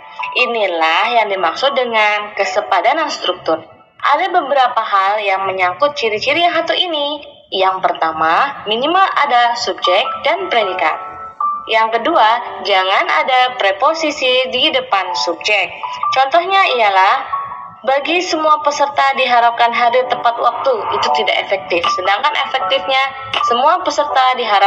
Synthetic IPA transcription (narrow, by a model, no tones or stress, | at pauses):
ʔinilahjaŋdimaksʊt̪̚dəŋankəsəpadananst̪ɾuk̚t̪ʊr | ʔa̰dabəbəɾapaɦaljaŋməɲakʊt̪̚t͡ʃiɾit͡ʃiɾijaŋɦat̪uʔini | jaŋpərt̪amaminimala̰dasub̚d͡ʒɛk̚danpɾedika̰t̪̚ | jaŋkəduad͡ʒaŋana̰dapɾeposisididəpansub̚d͡ʒɛk̚t͡ʃɔnt̪ɔhɲaijalah | baɡisəmuapəsərt̪adiɦaɾap̚kanɦaɾit̪əmpat̪̚wak̚t̪uit̪ut̪ida̰ʔḛfɛk̚t̪ɪfsədaŋkanʔḛfɛk̚t̪ɪfɲa | səmuapəsərt̪adiɦaɾa